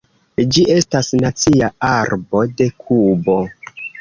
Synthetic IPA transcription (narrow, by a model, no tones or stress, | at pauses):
d͡ʒiʔe̞stasnat͡siaaɾbo̞de̞kʰubo̞